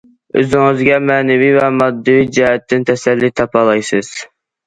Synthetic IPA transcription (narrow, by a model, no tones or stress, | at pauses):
ø̰zɪŋɨzɡʲɛmɛːnɛvivɛmɑd̪ːɪvid͡ʒɛɦɛt̪ʰːɪnt̪ʰɛsɛlːit̪ʰɑpʰɑlˠɑjsɨz̥